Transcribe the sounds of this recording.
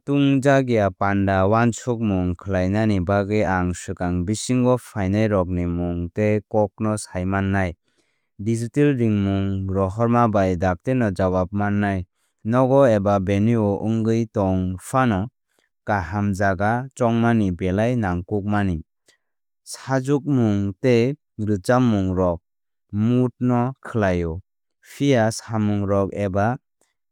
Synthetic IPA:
tuŋd͡ʒaɡijapandawansuk̚muŋkʰɯlajnanibaɡɯjaŋsɯkaŋbisiŋɡɔpʰajnajɾɔk̬̚nimuŋtekɔk̚nɔsajmanːaj | dizitelɾiŋmuŋɾɔɦɔɾmabajdak̚tenɔd͡ʒaβap̚manːaj | nɔɡɔebabeniɔʔɯŋɡɯjtɔŋpʰanɔ | kaɦamd͡ʒaɡat͡ʃɔŋmanibelajnaŋkuk̚mani | sad͡ʒuk̚muŋte | ɾɯt͡ʃamːuŋɾɔk̚ | mut̚nɔkʰɯlajɔ | pʰijasamuŋɾɔk̚eba

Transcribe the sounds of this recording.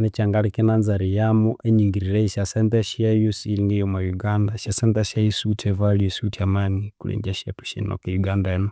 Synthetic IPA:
nɛt͡ʃaŋɡaɾikɛnanzaɾijamuʔɛɲiŋɡiɾiɾɛiʃasɛntɛʃiajusilinijɔmajuɡandaʃasɛntɛʃajusutʰɛvaliusutiamanikulɛ̰ɲd͡ʒaʃiapu̥ʃḭnɔ̰kɛjuɡandaɛnɔ

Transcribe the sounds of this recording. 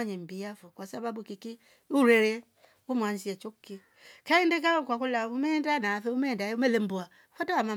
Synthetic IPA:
aɲembijafokʷasababukiki | uɾeɾe | umansiet͡ʃukːi | kaindek̬akʷakulaumendanafeumedaumelembuafataama

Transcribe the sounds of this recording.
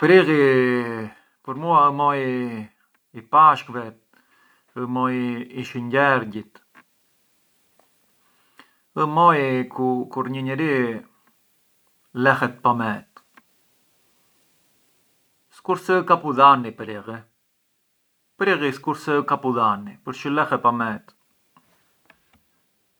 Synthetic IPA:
pɾiɣi | pəɾmuamɔj | ipaʃkvɛt̪̚ | əmɔjiʃəɲɟɛɾɟit̪ | əmɔjkukuɾɲəɲəɾi | lɛxɛt̪̚pamɛt̪ | skuɾsɛkapuðanipɾiʁi | pɾiɣiskuɾsəkapuðanipəɾʃəlɛxɛpamɛt̪

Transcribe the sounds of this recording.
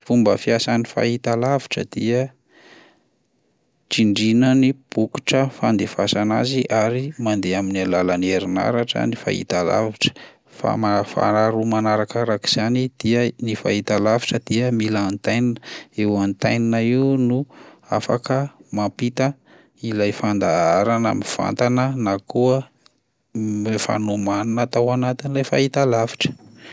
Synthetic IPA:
fumbəfiasanifa̰it̪alaviʈ͡ʂə̰d̪̥iə | ʈ͡ʂiɳɖ͡ʐinənib̥uku̥ʈ͡ʂəfand̪efasanaziʔaɾimand̪eaminalalaneɾina̰ɾaʈ͡ʂə̰nifa̰hḭt̪ala̰viʈ͡ʂə̥ | fa̰mafa̰ɾaɾumanaɾakaɾaki̥z̥anid̪̥iənifa̰it̪alavi̥ʈ͡ʂəd̪̥iəmilant̪ajninəewant̪ajninaiunua̰fakəmapit̪ə | ilajfand̪aaɾana̰miv̥a̰nt̪anənakuə | mefa̰nomaninət̪awanat̪inilajfait̪alavi̥ʈ͡ʂə̥

